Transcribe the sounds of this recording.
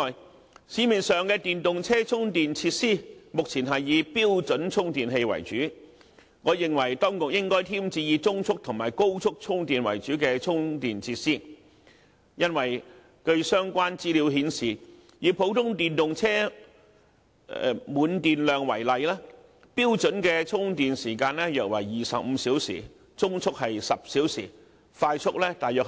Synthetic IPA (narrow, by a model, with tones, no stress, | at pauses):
ɔː˨j | siː˨˥miː˨nsœː˨ŋkɛː˧t̪iː˨nt̪ʊ˨ŋt͡sʰɛː˥t͡sʰʊ˥ŋt̪iː˨nt͡sʰi˧t̚siː˥mʊ˨k̚t͡sʰiː˨˩nɦɐ˨jːiː˨˧piː˥wt͡sɵ˨˥nt͡sʰʊ˥ŋt̪iː˨˩nɦe˧jwɐ̰˨˩jt͡ʃyː˨˥ | ŋɔː˨˧jɪ˨ŋwɐ˨˩jt̪ɔː˥ŋkʊ˨k̚jɪ˥ŋkɔː˥jt̪ʰiː˥mt͡siː˧jiː˨˧t͡sʊ˥ŋt͡sʰʊ˥k̚t̪ʰʊ˨˩ŋma̰ː˨jko˥wt͡sʰʊ˥k̚t͡sʰʊ˥ŋt̪iː˨nwɐ̰˨˩jt͡ʃyː˨˥kɛː˧t͡sʰʊ˥ŋt̪iː˨nt͡sʰiː˧t̚siː˥ | jɐ˥nwɐ˨˩j | kɵ˧ɥsœː˥ŋkʷaː˥nt͡siː˥liː˨˧wɦiː˨˧nsiː˨˩ | jiː˨˧pʰo˨˥wt̪ʰʊ˥ŋt̪iː˨njʊ˨ŋt͡sʰɛː˥ | ɛ̰˧muː˨˧˥nt̪iː˨nlœː˨ŋwɐ˨˩jlɐ˨jlɛː˥ | piː˥wt͡ʃɵ˨˥nkɛ˧t͡sʰʊ˥ŋt̪iː˨nsiː˨˩kaː˧nlɛː˥jœː˧k̚wɐ˨˩jːiː˨sɐ˨p̚m̩˨˧siː˨˥wsḭː˨˩ | t͡sʊ˥ŋt͡sʰʊ˥k̚hɐ˨jsɐ˨p̚siː˨˥wsḭː˨˩ | faː˧jt͡ʃʰʊ˥k̚lɛː˥t̪aː˨jœː˨k̚